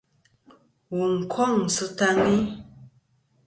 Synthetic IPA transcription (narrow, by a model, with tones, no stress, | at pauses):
wu˨ŋ̩˨kʰwɔ˦˨ŋ̩˨sɨ˨˦ta˦ŋi˦